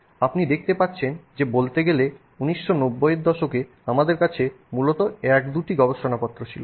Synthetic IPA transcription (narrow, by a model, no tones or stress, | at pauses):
apnid̪ek̚ʰt̪epat̪ːɕʰend͡ʑebolt̪eɡele | uniʃːonobːojeɾd̪ɔʃoke | amad̪eɾkat͡ɕʰe | mulot̪oɛkd̪uʈiɡɔboʃonapɔt̪ːɾot͡ɕʰilo